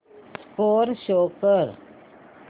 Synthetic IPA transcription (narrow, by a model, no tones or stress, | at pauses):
skoːɾɕoːkəɾ